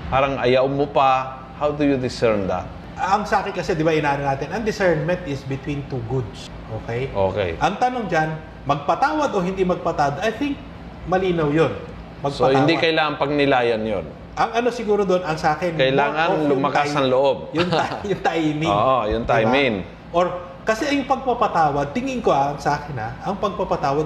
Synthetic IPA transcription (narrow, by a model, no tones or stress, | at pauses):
paːɾɐŋʔɐjawmopa | hawd̪ujud̪ɪsɛɹmd̪ɐ̰t̪̚ | ʔɐŋsaːkɪnkɐsɛd̪ɪbaʔɪnaːnɐnaːt̪ɪnɐŋd̪ɪsɛɹmmɛ̃nt̪ɪsbɪt̪wint̪uɡud̪s | ʔoːkɛjʔo̰kɛ̰jʔɐŋt̪ɐnoŋd͡ʒan | mɐɡ̚pɐt̪aːwɐd̪o̞ɦɪnd̪imɐɡ̚pɐt̪ad̪ʔɐjθɪŋk̚ | mɐliːnɐwjon | pɐɡ̚sopɐand̪ikɐjlaːŋɐnpɐɡ̚nɪlaːjɐnjo̰n | ʔɐŋɐno̞sɪɡuːɾod̪oonɐŋsɐaːkɪnkɐjlaːŋɐnlʊmɐkajsɐnloʔob̚jʊnajʊŋt̪ajmɪoʔojʊnt̪ajmɪŋ | ʔoɹ | kɐsɛɐjʊŋpɐɡ̚pɐpɐt̪aːwɐd̪̚t̪ɪŋɪnkoɐʔɐŋsʔaːkɪnɐʔɐŋpɐɡ̚pɐpɐt̪aːwɐd̪̚